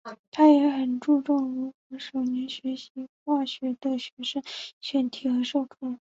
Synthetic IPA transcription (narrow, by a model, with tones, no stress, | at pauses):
t̪ʰa˥jɛ˧˥xə˨˩nʈ͡ʂu˥˧ʈ͡ʂʊ˥˩ŋɻu˧˥kwə˧˥ʂo˨˩ʊnɛ˧˥nɕɥɛ˧˥ɕi˧˥xwa˥˩ɕɥɛ˧˥d̪ə˧ɕɥɛ˧˥ʂə˥˩ŋɕɥɛ˧˥nt̪ʰi˨˩xɤ˧˥ʂo˥˩ʊkʰɑ˥˩